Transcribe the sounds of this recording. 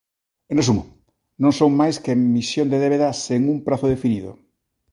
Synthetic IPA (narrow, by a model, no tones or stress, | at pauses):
enesumʊ | nõŋsoŋmajskemisjõnd̪eðeβeðaseŋuŋpɾaθʊðefiniðo̰